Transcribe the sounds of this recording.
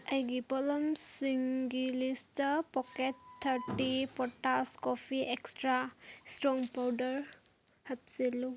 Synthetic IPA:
ajɡipɔlɔmsiŋɡilistpɔkettʰːaɾʈipɔtaskopʰiʔekstɾastɾɔŋpawdəɾ | hɐt̚silu

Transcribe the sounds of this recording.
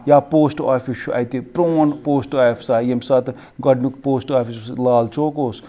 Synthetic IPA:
jaːpoːsʈaːpʰiʃuʔɐ̰jt̪ipɾoːnpoːsʈaefʰsaːjemsaːt̪ | ɡɐɖnukpoːsʈaːpʰisuslaːlt͡ʃoːkoːs

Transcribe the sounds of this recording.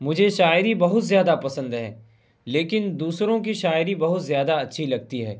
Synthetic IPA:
mʊd͡ʒʱeʃaːɪɾibɐɦʊt̪zjaːd̪apɐsə̃nd̪ɦɛ̰̃ː | leːkɪnd̪uːsɾõk̬iʃaːɪɾibɐɦʊt̪zjaːd̪aɐtːʃʰilɐɡ̚t̪iɦɛ̰ː

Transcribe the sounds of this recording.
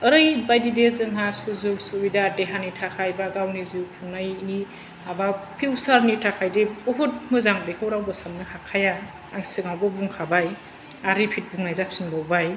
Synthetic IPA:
əɾɯjbajdidezɯŋɦasuzuksubidadeɦanitʰakʰajbaɡawniziwpʰuŋnajini | abapʰiwsaɾnitʰakʰajdebɔɦut̚mɯzaŋbekʰɯwɾawbɯsamnɯhakʰajaː | ŋsɯɡawbɯbuŋkʰabaj | aɾipʰit̚buŋnajzapsiŋbawbaj

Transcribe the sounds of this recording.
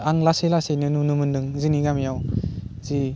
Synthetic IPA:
aŋlaselasejnɯnunɯmɯndɯŋziniɡamijawzi

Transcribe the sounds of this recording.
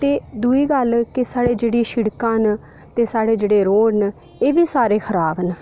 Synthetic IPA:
t̪eːd̪uiːɡəlkɪsaːɽeːd͡ʒeːɽiːʃɪɽkãːn | t̪eːsaːɽeːd͡ʒeːɽeːɾoːɽn | eːʋiːsaːɾeːkʰəɾaːbən

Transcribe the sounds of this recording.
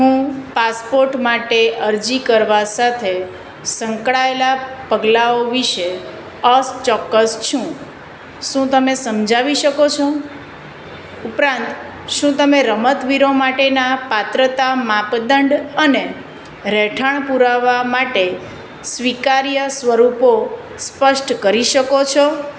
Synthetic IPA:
ɦũpaspoɾʈmaʈeəɾd͡ʒikəɾʋasat̪ʰe | səŋkɭaelapəɡlaoʋiʃe | əst͡ʃɔkːəst͡ʃʰũ | ʃũt̪əmesəmd͡ʒaʋiʃəkot͡ʃʰo | upɾãnt̪ | ʃũt̪əmeɾəmət̪ʋiɾomaʈenapat̪ɾət̪amapd̪əɳɖəne | ɾɛʈʰəɳpuɾaʋamaʈe | sʋikaɾjəsʋəɾupo | spəʃʈkəɾiʃəkot͡ʃʰɔ

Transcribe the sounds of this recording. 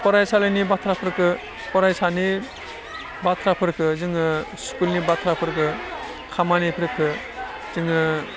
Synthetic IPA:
pɔɾajsalɯnibat̪ʰɾapʰɯɾɯkʰɯ | pɔɾajsani | bat̪ʰɾapʰɯɾkʰɯzɯŋɯskulnibatʰɾapʰɯɾkʰɯ | kʰamanipʰɾɯkʰɯ | z̥ɯŋɯ

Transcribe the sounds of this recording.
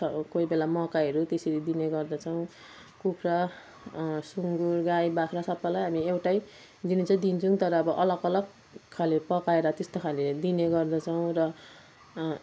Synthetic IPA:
ʌkoibelamʌkaʌɾut̪eseɾid̪ineɡʌrd̪ʌt͡sʰʌw̃ | kupʰra | suŋɡurɡajbakʰɾasʌbːalajɦamiewʈaj | d̪init͡sʰʌd̪int͡sʰuŋt̪ʌɾʌːbʌʔʌlʌɡʌlʌɡ | kʰːalepʌkaeɾʌt̪est̪okʰaled̪ineɡʌrd̪ʌt͡sʰʌw̃rʌ

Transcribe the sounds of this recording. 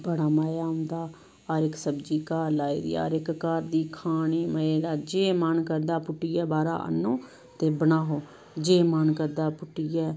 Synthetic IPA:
bəɽaːmaːjaːʊnd̪aː | ɔːɾɪksəbd͡ʒiːkaːlaːḭːd̪ḭːa̰ːɾɪkkaːɾd̪iːkʰaːniːməeːlaːd͡ʒeːmənkəɾd̪aːpʊʈːiːjɛːbaːɾa̰ːʔə̰nːõː | t̪eːbənaːɦoː | d͡ʒeːmənkəɾd̪aːpʊʈːijɛː

